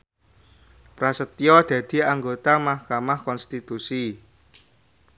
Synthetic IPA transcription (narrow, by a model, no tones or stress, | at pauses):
pɾasət̪iɔd̪̥ä̤d̪̥i̤aŋɡot̪amahkamahkɔnst̪it̪usi